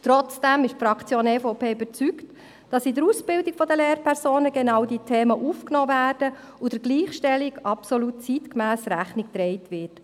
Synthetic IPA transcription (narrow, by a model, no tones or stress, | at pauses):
t̪ɾɔt͡sd̥æmɪʃtfɾɑkt͡sjoːnefoʊpʰeːyb̥əɾt͡sykt | d̥ɑsidəɾusb̥ɪldikfɔdəleːɾpʰɛɾsoːnəɡenɑwdiːtʰeːməʔuːfknɔːvæːrd̥ə | udəɾɡliːχʃtɛliɡɑpsɔlut̚t͡sitkmæːsɾæχnɪkt̪ɾɛɪtʋɪt